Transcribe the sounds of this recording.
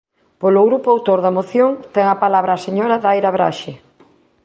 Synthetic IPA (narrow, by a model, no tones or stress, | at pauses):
poloɣɾupoawt̪oɾðamoθjoŋt̪ɛŋɐpalaβɾaːseɲoɾaðajɾaβɾa̰ʃɪ